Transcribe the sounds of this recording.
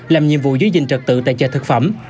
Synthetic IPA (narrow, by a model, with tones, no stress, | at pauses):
laː˨˩mɲḭ˧˨əmvṵ˧˨zə˨˩˦zï˨˩ŋ̟t͡ɕə˨˩k̚t̪ɨ̰˧˨t̪a̰ː˧˨jt͡ɕə̰ː˧˩t̪ʰɨ˨˩k̚fə˧˩m